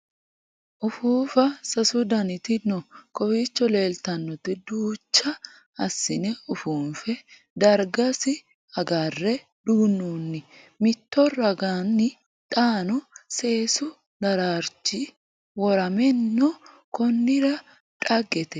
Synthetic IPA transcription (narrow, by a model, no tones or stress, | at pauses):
ʔʊfuːfɐsɐsʊd̪ɐnɪt̪ɪnɔkɔfiːt͡ʃːɔle̞ːlt̪ɐnːɔt̪ɪd̪uːt͡ʃːɐ | ɐsːɪnɛʊfuːnfɛ | d̪ɐɾɡɐsɪ | ɐɡarːɛ | d̪uːnːuːnːɪ | mɪt̪ːɔrɐɡanːɪ | t̪ʼaːnʊse̞ːsʊ | d̪ɐɾaːɾt͡ʃːɪ | wɔɾɐmɛnːɔ | kɔnːɪɾɐ | ᶑʼɐɡɛt̪ɛ